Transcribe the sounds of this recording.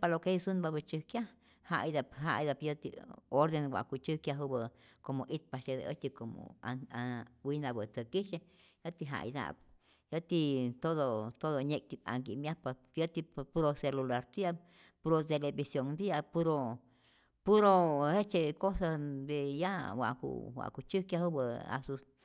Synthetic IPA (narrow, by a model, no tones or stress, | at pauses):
palokeisunbabɨt͡ʃɨhkja | ha̰jd̪apɦa̰jd̪apjat̪ḭoɾd̪enɡʷa̰kut͡ʃɨhkjaɦubə | komoʔit̪̚paʃed̪ḛʔət̪ikomo̰awinabət͡səkiʃe | jat̪iɦa̰jd̪a̰p̚ | jat̪it̪od̪ot̪od̪oɲẽk̚t̪ia̰ŋɡimjapa | jat̪ipuɾoselulaɾt̪ija | puɾot̪elebisjoŋd̪ijapuɾo | puɾohet͡ʃekosad̪ejawʷa̰kṵwa̰ʔkut͡ʃukjahubəa̰sus